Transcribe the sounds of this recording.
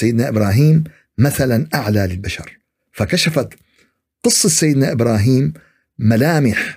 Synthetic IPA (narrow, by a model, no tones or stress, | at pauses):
ajːɪd̪naʔɪbɾˤɑːɦiːmː | aθalanʔaʕlalɪlbaʃɑ̰ɾˤ | fakaʃafat̪ | qɨsˤːɑsːajːɪd̪naʔɪbɾɑːɦiːmː | alaːmɪħ